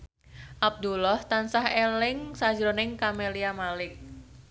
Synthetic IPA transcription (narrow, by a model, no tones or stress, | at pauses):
ʔab̚d̪ulɔht̪ansahelɪŋsḁd͡ʒɾonɪŋkameliamalɪk̚